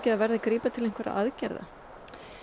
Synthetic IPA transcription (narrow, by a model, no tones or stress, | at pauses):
cɪðaðvɛɾðakɾiːpat̪ʰɪlejŋ̥kʰvaɾa̰ʔa̰ðcɛ̰ɾða̰